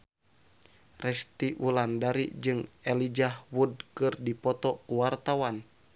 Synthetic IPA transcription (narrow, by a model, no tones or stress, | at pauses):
rɛst̪iʔulandaɾḭd͡ʒɨŋɛlid͡ʒahwud̚kɨrdipɔt̪ɔkuwart̪awan